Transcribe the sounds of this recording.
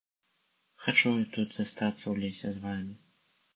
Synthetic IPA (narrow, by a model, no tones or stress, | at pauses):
xat͡ʂuit̪ut̪z̥ɐst̪at̪sːɐwlʲesʲɛzvamʲi